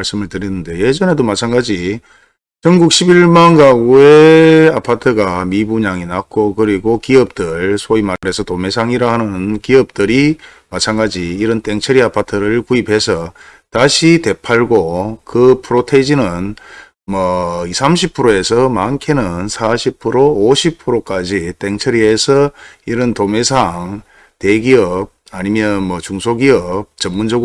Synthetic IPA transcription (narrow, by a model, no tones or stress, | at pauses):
maɭs͈ɯmɯɭtɯɾinɯndeoje̞d͡ʑʌne̞domat͡ɕʰanɡad͡ʑi | t͡ɕʌŋɡuk̚ɕʰibiɭmanɡaɡueapʰatʰɯɡamibuɲaŋinak͈ʰokɯɾiɡokiʌp̚t͈ɯɭsʰoimaɾe̞sʰʌtome̞sʰaŋiɾaɦanɯnkiʌp̚t͈ɯɾi | mat͡ɕʰaŋɡad͡ʑiːɾɯnt͈e̞ŋt͡ɕʰɯɾiapʰatʰɯɾɯɭkuipʰe̞sʰʌ | taɕʰite̞pʰaɭɡokɯpʰɯɾotʰed͡ʑinɯn | mʌisʰamɕʰipʰɯɾoe̞sʰʌmankʰenɯnsʰaɕʰipʰɯɾooɕʰipʰɯɾok͈ad͡ʑit͈e̞ŋt͡ɕʰʌɾie̞sʰʌiɾɯntome̞sʰaŋ | te̞ɡiʌb̚aɲimjʌnmʌt͡ɕuŋsʰoɡiʌb̚t͡ɕʌmːund͡ʑʌɡ